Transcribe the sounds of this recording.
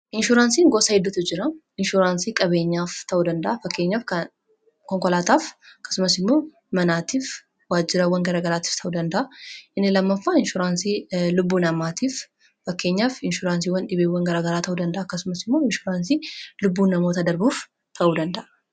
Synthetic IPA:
ʔɪnʃʊɾaːnsiːŋɡosɐhɪd̪ːʊt̪ɪd͡ʒɪɾɐ | ɪnʃuɾaːnsiːkʼɐβe̞ːɲːaːft̪ʰɐʔuːd̪ɐnd̪ɐʔɐfɐkːe̞ɲːaːfkɐ | kɔŋkɔlaːt̪aːfɐkːɐ̥sʊmɐsɪmːo̞ː | mɐnaːt̪iːf | waːd͡ʒːɪɾɐwɐŋɡɐɾɐɡɐɾaːt̪i̥ːft̪ɐʔuːd̪ɐnd̪ɐʔɐʔɪnːɪlɐmːɐfːaɪnʃʊɾaːnsiːlʊbːuːnɐmaːt̪iːf | fɐkːe̞ːɲːaːfɪnʃʊɾaːns̬iːwɐnᶑɪbeːwɐŋɡɐɾaɡɐɾaːt̪ɐʔuːd̪ɐnd̪ɐʔaːɐkːɐsʊmɐsɪmːo̞ːɪnʃʊɾaːnsiːlʊbːuːnɐmoːt̪ɐd̪ɐɾbuːf | t̪ʰɐʔuːd̪ɐnd̪ɐʔɐ

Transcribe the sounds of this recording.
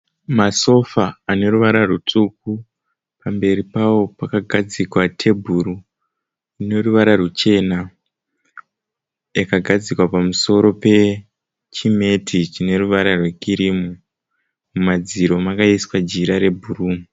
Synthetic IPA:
maso̞faane̞ɾuʋaɾarut͡suk̚u | pambe̞ɾipawo̞pakaɡʱad͡zikwatʰe̞bʱuɾu | ine̞ruʋaɾarut͡ʃe̞na | jakaɡʱad͡zikwapamuso̞ɾo̞pe̞ | t͡ʃime̞tʰit͡ʃine̞ruʋaɾarwekiɾimu | mumad͡ziɾo̞makaiswad͡ʒiɾaɾe̞bʱuruːmi

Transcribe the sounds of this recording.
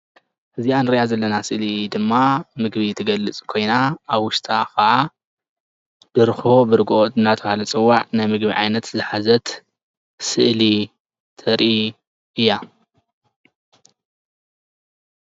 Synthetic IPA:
ʔɨzianɨɾjazɐlːɐnasɨʔlid̪ɨmːamɨɡbit̪ʰɨɡɐlːɨt͡sʼkʰo̞jnaaβwʊʃt̪ʼʰakʰɐʔa | b̥ɨɾɨxo̞bɨɾɨɡɨʔot̪ɨnːat̪ʰɐβalɐt͡sʼɨwːaʕnɨmɨɡbiʕa̰jnɐt̪zɨħazɐt̪ | sɨʔli | t̪ʰɐɾʔi | ɨjːa

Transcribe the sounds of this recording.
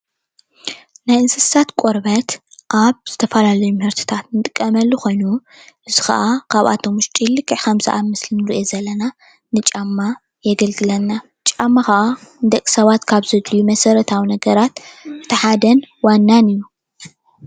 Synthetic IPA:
najɨnsɨat̪kʷʼoɾβɐt̪ʔaβz̥ɨt̪ʰɐfɐlalɐjumhɨɾt̪ʰi̥t̪ʰat̪̚nɨt̪ʼɨkʼːɐmɐlːuxo̞jnu | ʔɨzixɐ̰ʔakʰaβa̰t̪ʰo̞muʃt͡ʃʼilːɨkʼːɨʕkʰɐmzɐʔamɨslinɨɾiʔezɐlːɐna | nɨt͡ʃʼamːa | jɛɡɐlɡɨlɐnːa | t͡ʃʼamːaxɐʔand̪ɐkʼsɐβat̪kʰaβzɨd̪lijumɐsɐɾɐt̪ʰawinɐɡɐɾat̪̚ʔɨt̪ʰɐħad̪ɐnwanːanɨjːu

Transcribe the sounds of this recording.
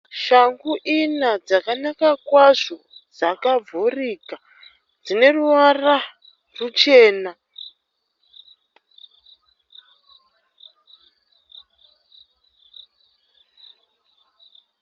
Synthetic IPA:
ʃaŋɡuʔinad͡zakanakakwaʐo̞ | d͡zakavʱuriːka | d͡zine̞ruʋwara | rut͡ʃe̞ːna

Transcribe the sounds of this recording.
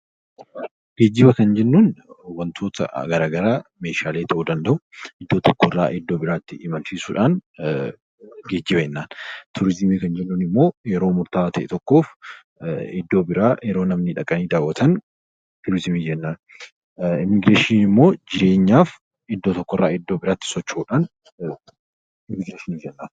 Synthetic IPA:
ɡ̥eːd͡ʒːɪbɐkɐnd͡ʒɛnːuːnwɐnt̪ʰo̞ːt̪ʰɐ̰ɡɐɾaːɡɐɾaːmeːʃaːle̞ːt̪ʰɐʔud̪ɐnd̪ɐʔʊʔɪd̪ːo̞ːt̪ɔkːɔrːa̰ːʔɪd̪ːo̞ːbɪɾaːɪt̪ːɪːmɐnsisuːᶑaːn | ɡe̞ːd͡ʒːɪbɐɛnːaːnt̪ʰʊɾɪzɪmiːkɐnd͡ʒɛnːuːnɪmːo̞ːjɛɾo̞ːmʊɾt̪aːt̪ɐʔɛt̪ɔkːo̞ːf | ɪd̪ːo̞ːbɪɾajɛɾo̞ːnɐmnɪᶑɐkʼːɐniːd̪aːwːɐt̪ʰɐn | t̪ʊɾɪzɪmiːd͡ʒɛnːaːn | ɪmɪɡɾeːʃɪnɪmːo̞ːd͡ʒɪɾe̞ːɲːaːf | ɪd̪ːoːt̪ɔkːɔrːaːɪd̪ːo̞ːbɪɾaːt̪ːɪ̥sɔt͡ʃːuːᶑaːn | ɪmːɪɡɾeːʃɪniːd͡ʒɛnːaːn

